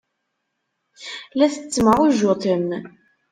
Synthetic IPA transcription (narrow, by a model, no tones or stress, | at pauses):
læθət͡sːməʁuʒot̪ˤəm